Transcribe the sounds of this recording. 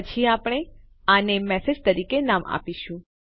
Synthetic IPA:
ət͡ʃʰiapɽ̃e | anemɛsed͡ʒt̪əɾikenama̰piʃũ

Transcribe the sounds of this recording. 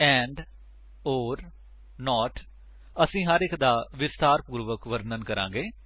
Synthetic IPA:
ɛ̃ːɳɖ | oːɾ | nɔːʈ | əsĩːɦəɾɪkd̪aːʋɪst̪aːɾpuːɾʋəkʋəɾnənkəɾã̰ːɡeː

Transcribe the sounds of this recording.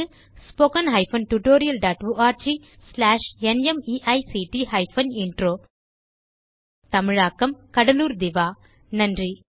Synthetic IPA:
spoːkɐnɦɐjpʰɐnʈuʈoːɾijɐlɖaːʈʋuːʔaːɾd͡ʒiː | slaːʂenemiːʔɐjsiːʈiːɦɐjpʰɐniɳʈɾoː | t̪ɐmiɻaːkɐmkɐɽɐluːɾd̪iʋaː | nɐɳɖɾi

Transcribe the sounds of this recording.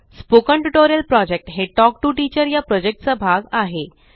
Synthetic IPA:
spokəɳʈuʈoɾijəlpɾɔd͡ʑek̚ʈɦeʈɔk̚ʈuʈit͡ɕəɾjapɾɔd͡ʑek̚ʈ̚t͡səbʱaɡaɦe

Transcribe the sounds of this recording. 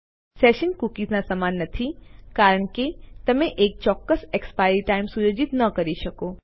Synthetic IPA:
sɛʃənkukiznasəmanːət̪ʰikaɾəɳ̃ket̪əmẽʔek̚t͡ʃɔkːəsekspajɾiʈaimsujod͡ʒit̪nəkəɾiʃəko

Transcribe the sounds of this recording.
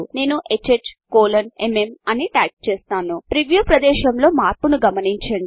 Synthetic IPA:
ne̞ːnuʔet͡ʃeʈkoːlɐneme̞mɐniʈaːkt͡ʃeːst̪aːnupɾiʋjupɾɐd̪ɛːʃɐmlo̞ːmaːɾpunuɡɐmɐniɲt͡ʃɐɳɖ

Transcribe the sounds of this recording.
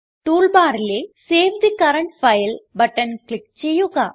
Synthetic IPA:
ʈuːlbaːɾɪleːseːʋd̪ikɐɾɐɳʈfɐjlbɐʈːɐnklɪk̚t͡ʃejukaː

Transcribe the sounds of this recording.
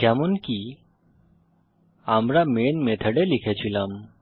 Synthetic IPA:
kɛmonki | amɾamenmet̪ʰəɖelikʰet͡ɕʰilam

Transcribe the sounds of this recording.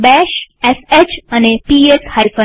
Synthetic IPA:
bɛʃeset͡ɕənepieshaifʰə

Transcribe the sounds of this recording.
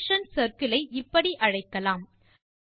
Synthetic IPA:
ʂɐnsɐɾkɪlɐɪʔɪpːɐɽiʔɐɻɐɪkːɐlaːm

